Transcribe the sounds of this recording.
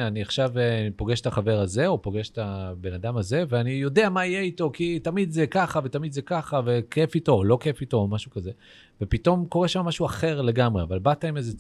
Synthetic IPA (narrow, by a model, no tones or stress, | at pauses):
aniaχʃavpo̞ɡeʃet̪aχave̞ʁaze̞o̞po̞ɡe̞ʃet̪abe̞nad̪amaze̞veanijo̞d̪e̞amaijeito̞kitamid̪zekaχave̞tamid̪zekaχave̞kʰefito̞ːlo̞ke̞fito̞ːmaʃukaze̞ | ve̞pit̪o̞mko̞ʁeʃamːaʃuaχe̞ʁle̞ɡamʁeavalbat̪aimeze